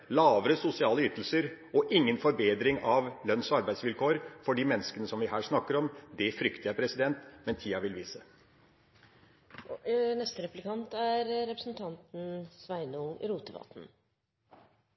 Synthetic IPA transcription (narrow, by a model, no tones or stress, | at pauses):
lɑːʋəɾəsʊsɪɑːləʏːt̪l̩səɾ | ɔʔɪŋːənfɔɾbeːd̪ɾɪŋɑʋlœnsɔɑɾbæɪsʋɪlkʰoːɾfɔɖiːmɛnːəskənəsɔmʋɪɦæːʂnɑkːəɾɔmd̪ɛfɾʏkt̪ɪæpʰɾɛsɪd̪ɛnt̪mɛnt̪ʰiːɑʋɪlʋiːsə | nɛst̪əɾɛplɪkʰɑnt̪æɾɾɛpɾəsnt̪ʰɑnt̪n̩sʋæɪnʊŋɾuːt̪əʋɑ̰ːt̪n̩